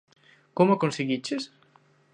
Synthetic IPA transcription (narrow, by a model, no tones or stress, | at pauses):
komʊakonseɣit͡ʃes